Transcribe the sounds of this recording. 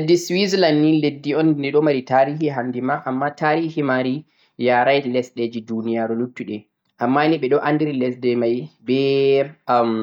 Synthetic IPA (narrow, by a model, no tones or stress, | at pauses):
ldːiswizlanːiledːiɔnːiɗɔmaɾitaɾihiɦandimaʔamːataɾiːhimaɾi | jaɾajlɛsɗɛd͡ʒidunijaɾulutːuɗɛ | ʔamːaniɓɛɗɔʔandiɾilɛsdɛmajbɛ